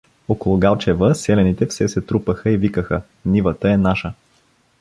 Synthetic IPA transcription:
okolˠʊɡalˠt͡ʃɛvəsɛlɛnit̪ɛfsɛsɛt̪ɾupəxəivikəxə | nivət̪əɛnaʃə

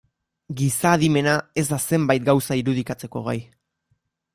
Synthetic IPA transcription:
ɡisaːðime̞nae̞zd̪ase̞mbajt̪̚ɡawsaiɾuðikat͡se̞ko̞̰ɣa̰j

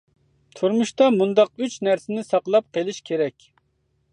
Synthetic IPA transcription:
t̪ʰuɾmuʃt̪ɑmund̪ɑq̚yt͡ʃnæɾsɪnɪsɑqlˠɑp̚qelˠɪʃkʲʰeɾɛkʲ

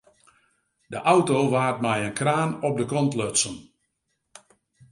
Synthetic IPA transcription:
dəʔawtoːʋaːrt̚mɛjənkraːnɔp̚dəkɔntløtsən

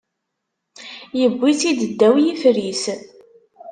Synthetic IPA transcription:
jəbːiθid̪əd̪ːæwjifɾis

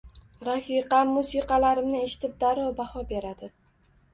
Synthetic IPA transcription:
ɾafiqɑmːusiqɑlaɾɪmnɪe̞ʃɪ̥t̪ʰɪp̚d̪aɾɒbahɒbe̞ɾad̪ɪ

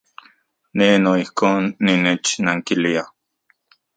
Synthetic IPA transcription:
nenoihkoːnːinet͡ʃnaŋkilia

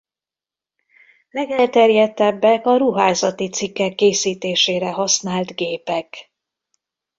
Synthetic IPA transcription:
lɛɡɛlt̪ɛrjɛt̪ːɛbːɛkɒɾuɦaːzɒt̪it̪sikːɛkːeːsiːt̪eːʃeːɾɛɦɒsnaːlt̪ɡeːpɛk

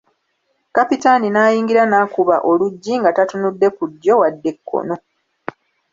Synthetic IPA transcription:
kapitaninaːjiːŋɡiɾanaːkuβa̰ʔo̞luɟːiŋɡatatunudːe̞kudjo̞wadːe̞kʰːo̞̰no̞

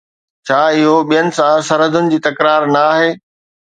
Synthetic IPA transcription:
t͡ɕʰaːɪɦoɓijənɪ̆sãsɐɾɦəd̪ʱʊnɪ̆d͡ʑiːt̪ɐkɾaːɾnɐaːɦeː

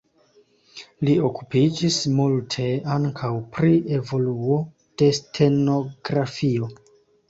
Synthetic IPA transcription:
lio̞kupid͡ʒismultʰe̞aŋkʰawpɾie̞vo̞luo̞ | d̥e̞stʰe̞no̞ɡɾafio̞

